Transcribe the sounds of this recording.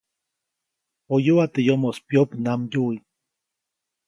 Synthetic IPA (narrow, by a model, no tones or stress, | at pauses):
ojuat̪ejomospjopnamjui